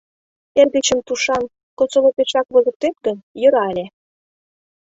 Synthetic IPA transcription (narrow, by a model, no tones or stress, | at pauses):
erd̪et͡ɕə̆mt̪uʃɑn | kot͡solopeʃɑkβɤ̆zə̆k̚t̪et̪̚ɡə̆njə̆ɾɑelʲe